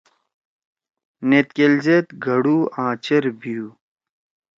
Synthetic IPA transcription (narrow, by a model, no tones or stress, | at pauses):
net̪̚kelzet̪ɡʱɐɽuːãːt͡ɕeɾbijuː